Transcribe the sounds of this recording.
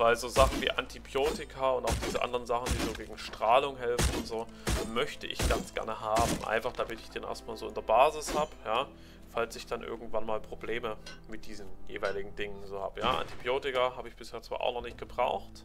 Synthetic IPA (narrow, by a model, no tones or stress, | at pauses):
vaɪlzoːzaχn̩vḭːʔantʰibjoːtɪkʰaʊntaʊxd̥iːzəʔa̰ndəʁənzaχn̩d̥iːzoːɡeːɡŋ̩ʃtʁ̥aːlʊŋɦɛlfn̩ʊntz̥oː | mœçtəʔɪ̰çɡ̥anst͡sɡ̥ɛ̰ɐnəɦaːbm̩ʔa̰ɪnfaχd̥amɪtɪçd̥eːnʔḛːɐstmaːlzoːɪndeɐbaːzɪshaːbəjaː | falsɪçd̥anʔɪ̰ɐɡŋ̩tv̥anmaːlpʁ̥obleːməmɪt̚d̥iːzn̩jḛːvaɪlɪɡŋ̩dɪŋənzoːha̰ːbəjaːʔa̰ntibjoːtɪkaɦaːbəɪçb̥ɪsheːɐt͡sv̥a̰ːʔaʊnɔχnɪçt̚ɡ̥əbʁaʊxt